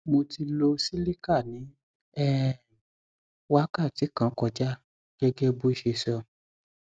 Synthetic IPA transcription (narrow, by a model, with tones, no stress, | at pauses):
mo˧ti˧lo˧si˦li˦ka˦˨nĩ˨˦ | ɛ˦˨ | wa˦ka˦˨ti˨˦kã˦kɔ˧d͡ʒa˦ | ɡ̥ɛ˦ɡɛ˦bo˦i˧˦ʃe˧sɔ˧